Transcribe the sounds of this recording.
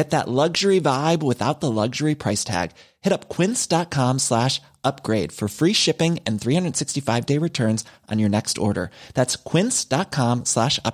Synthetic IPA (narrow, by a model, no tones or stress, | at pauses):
ɛt̪̚ðə̰ʔˡlʌɡʒə˞ivaɪbwɨθa̰ʊt̪̚ðəlʌɡʒə˞ipʰɹ̥aɪstʰæ̰ɡ̥ | hɛɾʌp̚kʰw̥ɪ̃nsd̥ɑt̚kʰɑ̃mslæʃ | ʔʌp̚ɡ̥ɹeɪd̥fə˞fɹiʃɪpɪ̃ŋɨ̃nθɹihʌ̃ndɹəd̥sɪkstifaɪvdeɪɹɨtʰɜ̃˞nzʔn̩jə˞nɛkstɔ̰ɹɾə̰˞ðætskʰw̥ɪ̃nsd̥ɑt̚kʰɑ̃mslæʃʌ̰